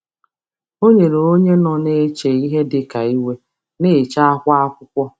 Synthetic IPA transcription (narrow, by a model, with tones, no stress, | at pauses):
o˦ɲe˨ɾo˨o˦ɲe˦nɔ˨ne˦t͡ʃe˨i˦ɦe˦dɪ˨ka˨i˦we˦ | ne˦˨t͡ʃa˦a˦kʷa˦a˦kʷʊ˦kʷɔ˦